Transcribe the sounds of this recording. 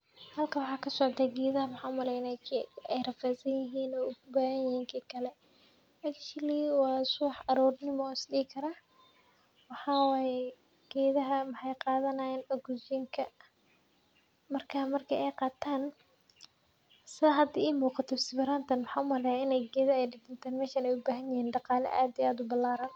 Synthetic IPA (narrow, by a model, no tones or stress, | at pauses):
hɐlkʰɐwɑħɑːkʰɐsɔʕd̪aːɡɛːðɐɦɐmɑħɑʊmɐlɛjnakʰːɛjrɐfɛsɐnjɪɦiːnɔːʊɣʊbaːɣɐnjɪhiːŋkʰiːkʰɐlɛ | ɐkʃɪliwɑːsʊwħɐɾɔːrnɪmɔːɪsɗiːkʰɐɾaː | wɑħɑːwɑːjɛ | ɡ̥ɛːðɐɦɐmɐħɑjqɑːðɐnɐjɛːnʔɐɡʊt͡ʃɪŋkʰɐ | mɐrkʰaːmɐrkʰɐɛjqɑːt̪ʰaːn | sɪɐɦɐd̪iːiːmuːqɑt̪ʰɔsɪbɐɾaːnt̪ʰɐnwɑħɑːʊmɐlɛjaɪnɛjɡɛːðɐɛjɖɪd̪ɪnt̪ʰaːnmɛːʃɐnɛjʊbaːɦɐnjɪhiːnɖɑqɑːlɛ̰ʔa̰ːd̪iaːd̪ʊbɐlaːɾɐn